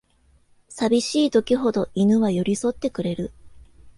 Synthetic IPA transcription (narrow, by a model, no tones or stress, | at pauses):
sabʲiɕiːd̪o̞kʲiɦo̞d̪o̞inɯ̟βajo̞ɾʲiso̞t̪ːe̞kɯ̟ɾe̞ɾɯ